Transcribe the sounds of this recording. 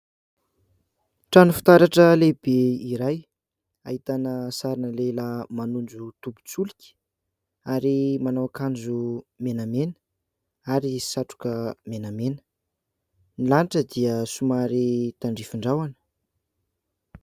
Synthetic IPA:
ʈ͡ʂanufi̥t̪aɾaʈ͡ʂəleb̥eiɾaj | a̰ɦit̪anəsaɾinəlelamanund͡ʒut̪ubu̥t͡sulikʲi̥ | aɾimanawakand͡ʒumenəmenə̥ | aɾisaʈ͡ʂu̥kəmenamenə̥ | nilaniʈ͡ʂəd̪iəsumaɾit̪aɳɖ͡ʐifiɳɖ͡ʐawanə̥

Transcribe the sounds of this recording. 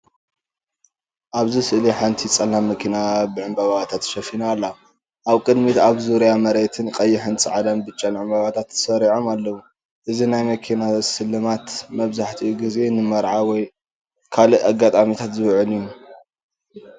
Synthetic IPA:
ʔaβzisɨʔliħant̪ʰit͡sʼɐlːamɐkʰinabɨʕɨmbaβaβat̪ʰat̪ʃɐfinaːlːa | ʔaβkʼɨd̪mit̪aβzuɾjamɐɾet̪ʰɨnkʼɐjːɪħɨnt͡sʼɨʕalɐmbɨt͡ʃʼːanʕɨmbaβat̪ʰat̪ːɨ̥sɐɾiʕo̞malːɐwu | ʔɨzinajmɐkʰinasɨlːɨmat̪mɐβzaħt̪ʰiuɡize̞nɨmɐɾʕawɔj | kʰaliʔaɡat̪ʼamit̪ʰat̪zɨβʕɨliju

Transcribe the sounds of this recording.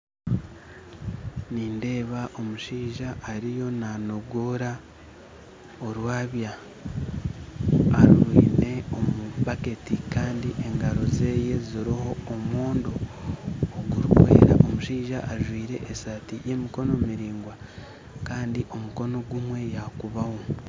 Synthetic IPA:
niːnde̞ːβaʔo̞muʃiːʒaːɾijo̞nano̞ɡoːɾa | oɾwaːβja | aɾuɾwḭːne̞o̞mupake̞tikaːndiʔe̞ŋɡaɾo̞ze̞ːje̞ziɾiho̞ːmwoːndoː | ɡuɾukwḛːɾa̰ʔo̞muʃiːʒaʔaʒwiːɾe̞̰ʔesaːtije̞miko̞no̞miɾiːŋɡwa | kaːndiʔo̞muko̞no̞ɡumwe̞jakuβaho

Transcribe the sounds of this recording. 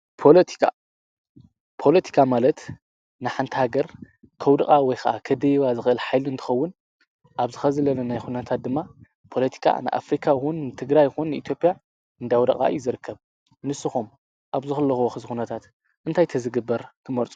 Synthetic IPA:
pʰo̞lɐt̪ʰi̥kʰa̰ | pʰo̞lɐt̪ʰi̥kʰamalɐt̪ | nɨħant̪ʰhaɡɐɾ | kʰɐwd̪ɐkʼawɔjxʰɐʔa̰kʰɐd̪ɐjiβazɨxɨʔɨlħajlɨnt̪ʰɨ̥xɐwːʊn | ʔaβzɨxɐzɨlɐlɐnajxunɐt̪ʰat̪̚d̪ɨmːa | pʰo̞lɐt̪ʰi̥kʰa̰nɨ̰ʔa̰fɾikʰajxunːɨt̪ʰɨɡɾajɪxunːɨʔit̪ʰjo̞pʼja | ɨnd̪awd̪ɐkʼa̰juzɨɾɨkʰːɐβ | nɨsɨxum | ʔaβzɨxɨlːɐxuwoxɨzxunɐt̪ʰat̪ | ʔɨnt̪ʰajt̪ʰɐzɨɡɨbːɐɾkʰɨmɐɾt͡sʼu̥

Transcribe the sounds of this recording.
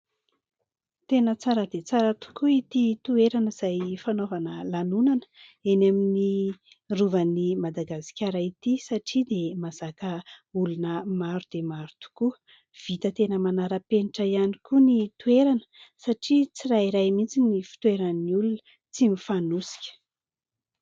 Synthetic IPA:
t̪enət͡saɾəd̪et͡saɾət̪u̥kuit̪it̪ueɾanəiz̥ajfanovanəlanunanə̥enamini | ruvənimad̪aɡasi̥kʲaɾait̪isaʈ͡ʂid̪emaz̥akəulunəmaɾud̪̥emaɾut̪u̥kuə | v̥it̪ət̪enəmanaɾəpenʈ͡ʂajanikunit̪ueɾanəsaʈ͡ʂit͡siraiɾajmint͡sinifi̥t̪ueɾanniulunə | t͡simifanusi̥kʲə̥

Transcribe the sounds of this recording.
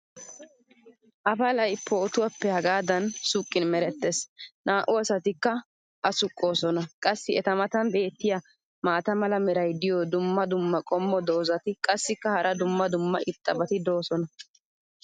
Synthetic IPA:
ʔɐfɐlɐjpːɔːt̪ʊwɐpːɛhɐɡaːd̪ɐnsʊkʼːɪnmɛɾɛt̪ːesnaːʔʊɐsɐt̪ɪkːɐ | ʔɐsʊkʼːo̞ːsɔnɐkʼɐsːɪɛt̪ɐmɐt̪ɐnbe̞ːt̪ːɪjɐ | maːt̪ɐmɐlɐmɛɾɐjd̪ɪjod̪ʊmːɐd̪ʊmːɐkʼɔmːɔd̪o̞ːzɐt̪ɪkʼɐsːɪkːɐhɐɾʔɐd̪ʊmːɐd̪ʊmːɐʔɪt̪ʼːɐbɐt̪ɪd̪o̞ːsɔnɐ

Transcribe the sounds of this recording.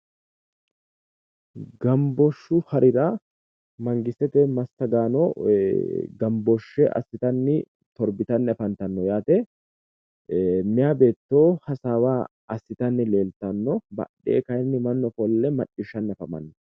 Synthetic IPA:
ɡɐmbɔʃːʊhɐɾʔɪd̪a | mɐŋɡɪsɛt̪ɛmɐst̪ːɐɡaːnɔ | ɡɐmbɔʃːɛʔɐ̰sːɪt̪ɐnːɪ | t̪ɔɾbɪt̪ɐnːɛfɐnt̪ɐnːɔjaːt̪ɛ | mɪjaːbe̞ːt̪ːoːhɐsaːwaː | ɐsːɪt̪ɐnːɪle̞ːlt̪ɐnːɔbɐ̰ᶑḛːkɐjnːɪmɐnːɔfɔlːɛmɐt͡ʃːɪʃːɐnːɛfɐmɐ̰nːɔ

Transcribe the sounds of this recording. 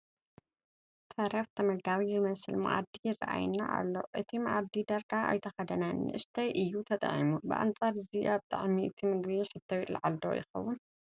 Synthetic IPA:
t̪ʰɐɾɐft̪ʰɐmɐɡaβizɨmɐsɨlma̰ʔa̰d̪ijɪra̰ʔa̰jnːa̰ʔa̰lːo̰ʔɨt̪ʰimaʕad̪id̪ɐɾkʰʼaʔa̰jt̪ʰɐxɐd̪ɐnanɨʔɨst̪ʰɐjʔɨjːut̪ʰɐt̪ʼɐ̰ʕḭmubɨ̰ʔa̰nt͡sʼaɾɨziʔaβt̪ʼa̰ʕmiʔɨt̪ʰimɨɡβiħɨt̪ʰːɐwila̰ʕald̪o̰jɪ̰xɐ̰wːʊn

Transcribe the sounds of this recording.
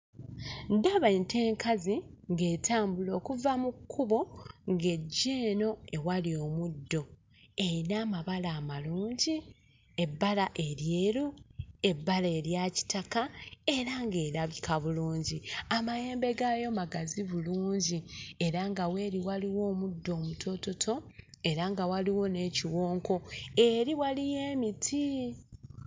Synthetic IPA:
ndaβaeːnte̞ːŋkaziŋɡe̞ːtʰaːmbulo̞ːkuvamukʰːuβo̞ŋɡe̞ɟːeːno̞e̞walio̞mudːo̞ | einaːmaβalaːmaluːɲɟi | e̞bːalaʔe̞ɾjeːɾue̞bːaleːɾjaci̥takae̞ɾaŋɡe̞ːɾaβikaβuluːɲɟiamaje̞ːmbe̞ɡaːjo̞maɡaziβuluːɲɟie̞ɾaŋɡawe̞ːɾiwaliwo̞ːmudːo̞ːmutʰo̞to̞tʰo̞e̞ɾaŋɡawaliwo̞ne̞ːciwo̞ːŋko̞e̞ɾiwalije̞ːmitʰi

